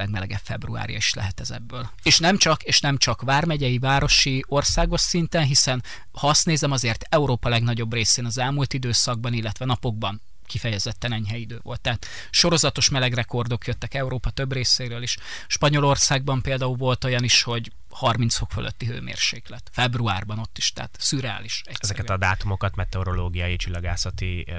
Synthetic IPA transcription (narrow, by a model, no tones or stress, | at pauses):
lɛɡmɛlɛɡɛ̰ffɛbrṵa̰ːɾijɒ̰iʃlɛ̰ɦɛt̪ɛzɛ̰bːøːl | eːʃnɛmt͡ʃɒkeːʃnɛmt͡ʃɒkʋaːrmɛɟɛjivaːɾo̞ʃio̞rsaːɡo̞ʃsint̪ɛnɦisɛn | hɒst̪neːzɛmɒzeːrt̪ɛuɾoːpɒlɛɡnɒɟo̞breːseːnɒzɛlmult̪id̪øːsɒɡ̚bɒnilːɛt̪ʋɛnɒpo̞ɡ̚bɒn | kifɛjɛzɛt̪ːɛnɛɲɦɛjid̪øːvo̞̰lt̪ːɛːt̪ | ʃo̞ɾo̞zɒt̪o̞ʃmɛlɛɡrɛko̞rd̪o̞kjøt̪ːɛkɛuɾoːpɒt̪øbreːseːɾøːliʃ | ʃpɒɲo̞lo̞rsaːɡ̚bɒmpeːld̪aːulvo̞lt̪o̞jɒniʃho̞ɟ | hɒrminsfo̞kfølʔø̰t̪ːiɦø̰ːmḛːrʃḛːklɛt̪fɛbruaːrbɒno̞t̪ːiʃt̪ɛ̰ɦa̰t̪syɾɛa̰ːliʃɛɛzɛkɛt̪ɒd̪aːt̪umo̞kɒt̪mɛt̪ɛoɾo̞loːɡijɒjit͡ʃilːɒɡaːsɒt̪i